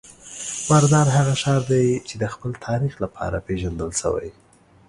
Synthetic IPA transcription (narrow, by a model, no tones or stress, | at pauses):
maɾd̪ɑɾɦaɣaʃɑɾd̪ajt͡ʃed̪əxpəlt̪ʰɑɾixlapʰɑ̰ɾapeʒand̪əlʃə̰wa̰j